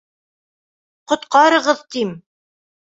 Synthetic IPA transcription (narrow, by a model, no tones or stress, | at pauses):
qŏt̪qɑɾɤ̆ʁɤðt̪im